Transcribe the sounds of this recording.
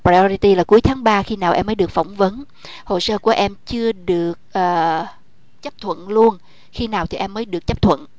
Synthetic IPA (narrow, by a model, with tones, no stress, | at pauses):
pɾa˧ɔ˧ɾi˧t̪i˧laː˨˩ku˨˦əjt̪ʰaː˨˦ŋɓaː˧xi˧naː˨˩wʔɛ˧mːəː˨˦jɗɨ˨˩ək̚fɔ˧˩wŋ͡mvə˨˦n | ho̰˧˨səː˧ku˧˩əʔɛ˧mt͡ɕɨ˧əɗɨ˨˩ək̚ʔəː˨˩ | t͡ɕə˦˥p̚t̪ʰwə̰˧˨nlu˧ən | xi˧naː˨˩wt̪ʰi˨˩ʔɛ˧mːəː˨˦jɗɨ˨˩ək̚t͡ɕə˦˥p̚t̪ʰwə̰˧˨n